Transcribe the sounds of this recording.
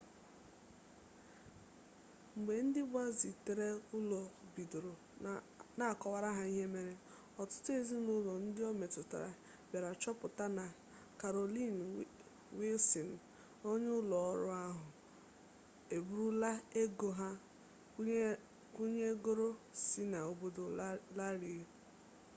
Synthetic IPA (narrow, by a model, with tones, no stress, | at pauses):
ŋ͡m̩˨ɡ͡be˨n̩˦dɪ˦ba˦zi˨te˨ɾe˦ʊ˦lɔ˨bi˨do˨ɾo˨ | na˨kɔ˨wa˨ɾa˦ɦa˦i˦ɦe˦me˨ɾe˦ | ɔ˨tʊ̥˦tʊ˦e˦zi˦nʊ˦lɔ˨n̩˦dɪ˦ɔ˦me˨tʊ˨ta̰˨ɾa̰˨ | be˨ɾa˨t͡ʃɔ˦pʊ˨ta˦na˨ | ka˨ɾo˨li˦n | wi˦lsi˨n̩˨ | o˦ɲe˦ʊ˦lɔ˨ɔ˦ɾʊ̰˦a˦ɦʊ˨ | e˨bu˨ɾu˦la˦e˦ɡo˨ɦa˦ | ku˦ɲe˦ɡo˦ɾo˦si˦na˨o˨bo˦do˨la˦ɾi˨˦